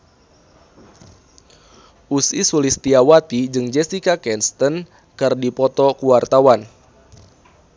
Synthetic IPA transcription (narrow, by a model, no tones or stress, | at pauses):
ʔusisulist̪iawat̪id͡ʒɨŋd͡ʒɛsikakɛnst̪ən | kɨrdipɔt̪ɔkuwart̪awan